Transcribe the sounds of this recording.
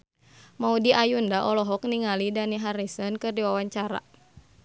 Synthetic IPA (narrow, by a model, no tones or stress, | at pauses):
maudiʔajundaʔɔlɔɦɔkniŋalidaniɦaɾisɔnkɨrdiwawaɲt͡ʃaɾa̰